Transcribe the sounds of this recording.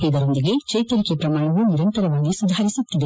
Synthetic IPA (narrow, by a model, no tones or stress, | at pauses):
id̪ɐɾo̞nd̪iɡe̞t͡ʃɐjt̪ɐɾikepɾɐmaːɳɐʋuniɾɐnt̪ɐɾɐʋaːɡisud̪ʱaːɾisut̪ːid̪e̞